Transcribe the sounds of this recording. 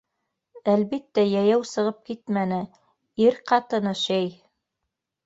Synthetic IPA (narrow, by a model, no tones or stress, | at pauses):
ælβit̪ːæjæjæwsɤ̆ʁɤp̚kit̪mænɘ | iɾqɑt̪ɤ̆nɤʃæj